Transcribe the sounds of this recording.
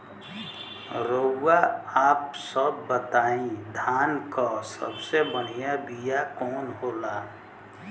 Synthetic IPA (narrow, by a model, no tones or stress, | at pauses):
ɾowaaːpsəbːət̪aːĩd̪ʱaːnkɔsə̰bsebəɽijabijakɔːnɦoːlaː